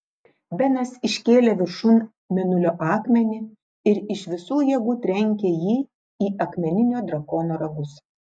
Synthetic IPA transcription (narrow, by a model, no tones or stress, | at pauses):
bʲɛnɐsɪʃʲkʲeːlʲeːʋʲɪɾʃuːn | mʲɛnʊlʲoːʔɑːkmʲɛnʲɪ | ɪɾɪʃʋʲɪsuːjiɛɡuːt̪ʲɾʲɛŋʲkʲeːjiː | iːʔɐkmʲɛnʲɪnʲoːd̪ɾɐkoːnoːɾɐɡʊs